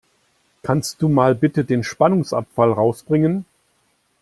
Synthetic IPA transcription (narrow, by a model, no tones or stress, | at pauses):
kʰanst̚d̥uːmaːlbɪtədeːnʃpanʊŋsʔa̰pfalʁaʊsb̥ʁɪŋən